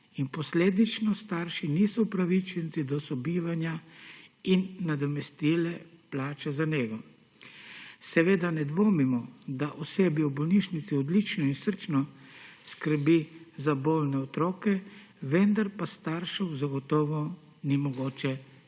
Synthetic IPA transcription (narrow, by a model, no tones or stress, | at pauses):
inpɔsleːd̪it͡ʃnɔst̪aːɾʃinisɔwpɾaʋit͡ʃɛnt̪sid̪ɔsɔbiːʋanja | inːad̪ɔmɛst̪iːlɛplaːt͡ʃɛzaneːɡɔ | sɛʋeːd̪anɛd̪ʋoːmimɔd̪aʔɔseːbiubɔlniʃnit̪siɔd̪lit͡ʃnɔinsəɾt͡ʃnɔskəɾbizaboːlnɛɔt̪ɾɔːkɛ | ʋɛnd̪aɾpast̪aɾʃɔwzaɡɔt̪ɔːʋɔ | nimɔɡoːt͡ʃɛ